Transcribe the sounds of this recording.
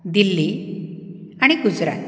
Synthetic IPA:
d̪ilːi | aɽ̃iɡud͡zɾa̰t̪

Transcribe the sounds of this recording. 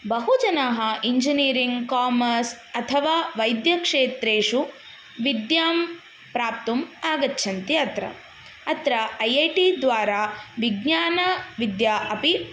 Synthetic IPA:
bɐɦud͡ʒɐnɐɦɐʔiɲd͡ʒiniːɾiŋɡkaːmɐɾs | ɐt̪ʰɐʋaːʋɐjd̪jɐkʂeːt̪ɾeːʂu | ʋid̪jaːm | pɾaːpt̪umaːɡɐtːʃʰɐnt̪iɐt̪ɾɐ̰ | ɐt̪ɾɐɐjɐjʈid̪ʋaːɾaːʋiɡɲaːnɐʋid̪jaːʔɐpi

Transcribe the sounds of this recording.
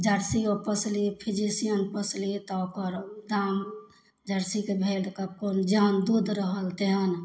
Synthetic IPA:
d͡ʒəɾsiopəslipʰid͡ʒisijənpəslit̪ɔkəɾd̪am | d͡ʒəɾsikebʱelkəb̚kond͡ʒand̪ud̪ʱɾəɦəlt̪eɦən

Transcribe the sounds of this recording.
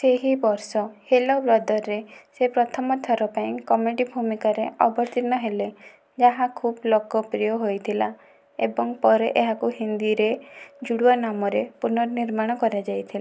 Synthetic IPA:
seɦibɔɾsɔhelɔbɾɔd̪ʱɔɾːesepɾɔt̪ʰɔmɔt̪ʰɔɾɔpaĩkɔmeɖibʱumikaɾeɔbɔɾt̪inɔɦele | d͡ʒaɦakʰublokɔpɾijɔɦojt̪ʰila | ebɔŋpɔɾeʔeɦakuhind̪iɾed͡ʒuɽuɔnamɔɾepunɔɾɔniɾmaɽ̃ɔkɔɾad͡ʒajt̪ʰila

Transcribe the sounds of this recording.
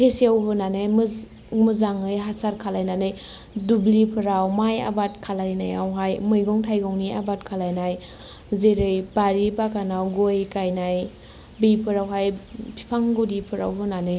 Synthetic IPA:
hesiawɦɯnanɯjm | mɯzaŋɯjɦasaɾkʰalajnanɯj | dublipʰɯɾawmaja̰bat̚kʰalajna̰ja̰wɦajmɯjɡɔŋtʰajɡɔŋniʔa̰batkʰalajnaj | zeɾɯjbaɾibakanawɡojkajnaj | bipʰɯɾawɦajpʰi̥pʰaŋɡudipʰɯɾa̰wɦɯnanɯj

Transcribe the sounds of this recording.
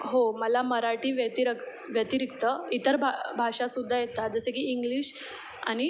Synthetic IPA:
ɦoməlaməɾaʈiːʋət̪iɾək | ʋjət̪iɾikt̪əit̪əɾbʱabʱaʂasud̪ʱːajet̪ad͡zəsekiːŋɡliːɕ | a̰ɽ̃i

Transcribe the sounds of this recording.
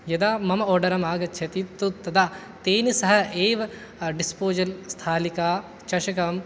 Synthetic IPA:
jɐd̪aːmɐmɐoːɾɖɐɾɐmaːɡɐt͡ʃʰɐt̪it̪ːut̪ːɐd̪a | t̪eːnisɐɦɐ̆eːʋɐ | ɖispoːd͡ʒɐlst̪ʰaːlikaː | t͡ʃɐʃɐkɐm

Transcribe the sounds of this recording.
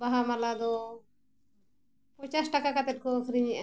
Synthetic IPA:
baɦamalad̪ɔ | pɔt͡ʃasʈakakat̪ɛt̚kɔkʰɾiɲɛʔ

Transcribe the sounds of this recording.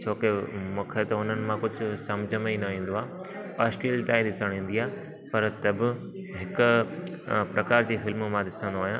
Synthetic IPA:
t͡ɕʰoːkemʊ̃kʰet̪ɐʊn̤ənɪ̆mãkʊd͡ʑʱʊ̆sɐmd͡ʑʱəmeinɐʋĩːnd̪oaː | aːsʈiəlt̪ãːĩd̪ɪsəɽ̃ĩːn̆d̪iaː | pɐɾt̪ɐbɪ | ɦɪkʊ | pɾʔɐkaːɾd͡ʑiːfɪlmmãd̪ɪsə̃n̆d̪oaːɦijã

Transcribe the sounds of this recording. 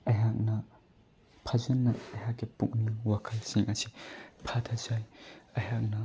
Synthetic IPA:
ɐjɦak̚nɐ | pʰazɐnːɐɐjɦakːepuk̚niŋwakʰɐlsiŋʔɐsipʰat̪ʰɐzajɐjak̚nɐ

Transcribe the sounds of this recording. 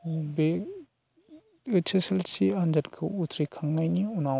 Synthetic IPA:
be | ɯt͡ʃʰeselsiand͡ʒatkʰɯutʰɾikʰaŋnajniuna

